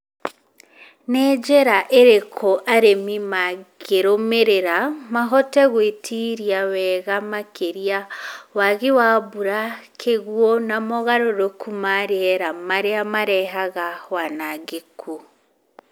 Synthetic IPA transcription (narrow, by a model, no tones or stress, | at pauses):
nɛːd͡ʒeɾaʔeɾekʰoʔaɾemimaɡeɾomeɾeɾamaɦɔtɛɣwetʰiɾjawɛːɣamakʰeɾiawaɣiwaβuɾakʰeɣwonamoɣaɾoɾokʰumaɾeɛɾamaɾeamaɾɛɦaɣawanaɡekʰu